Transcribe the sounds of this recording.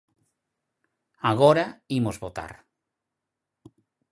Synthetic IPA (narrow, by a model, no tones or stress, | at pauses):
aɣoɾaimozβot̪a̰ɾ